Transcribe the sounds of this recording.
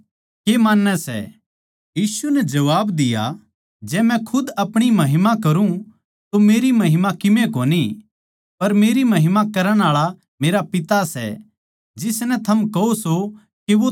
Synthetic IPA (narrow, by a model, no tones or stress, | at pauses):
keːmaːnːɛsɛ̰ | jiːsunɛd͡ʒɐʋaːbd̪ɪja̰ | d͡ʒɛːmɛ̃kʰʊd̪ɐpɽ̃imɐɦɪmakɐɾũ | t̪omeːɾimɐɦɪmakɪmẽkoːni | pɐɾmeːɾimɐɦɪmakɐɾəɽ̃aːɭa | meːɾapɪt̪asɛ̰ | d͡ʒɪsnɛt̪ʰɐmkɐoso | kiʋo